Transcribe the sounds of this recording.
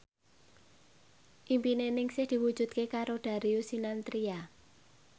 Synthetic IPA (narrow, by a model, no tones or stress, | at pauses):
ʔimpinenɪŋsɪhd̪̥i̤wud̥ʒ̥ṳd̪̥̚kekaɾoɖ̪̥a̤ɾiusinant̪ɾia